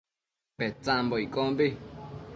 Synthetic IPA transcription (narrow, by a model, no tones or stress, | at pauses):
pet͡sãmboikʼõmbi